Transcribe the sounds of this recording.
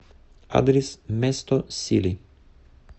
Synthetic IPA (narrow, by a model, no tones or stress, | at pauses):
a̰d̪ɾismɛst̪osḭli